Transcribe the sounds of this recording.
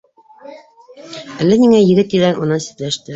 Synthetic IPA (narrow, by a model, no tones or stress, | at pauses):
ælːæniŋæjɘ̆ɡɘt̪ːiðænʔunɤsɘ̥̆t̪læʃt̪ɘ